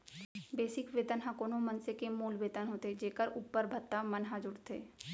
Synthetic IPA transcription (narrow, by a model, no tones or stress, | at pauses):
beːsɪkʋeːt̪ənɦãkoːnõmənsekemuːlʋeːt̪ənɦoːt̪ed͡ʒeːkəɾuːpːəɾbʱət̪ːamənɦad͡ʒʊɽt̪ʰḛː